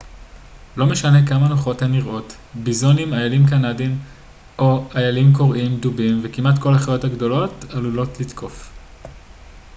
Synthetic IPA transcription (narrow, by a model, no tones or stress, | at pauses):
lo̞meʃane̞kamanoχo̞themiʁo̞t | bizonimajalimkanadim | ʔo̞ajalimko̞ʁimdubimvekimatko̞lhaχajo̞thaɡdo̞lo̞talulo̞tlitkʰo̞f